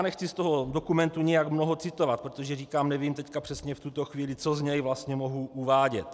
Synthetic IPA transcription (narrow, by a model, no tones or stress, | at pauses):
nɛxt͡sist̪oɦodokumɛnt̪uɲɛjakmnoɦot͡sɪt̪ovat̪̚pɾot̪o̞ʒɛriːkaːmnɛvimt̪ɛckapr̝̥ɛsɲɛft̪ut̪o̞xviːlɪt͡so̞zɲɛjvlast̪ɲɛmo̞ɦuʔuvaːɟɛ̰t̪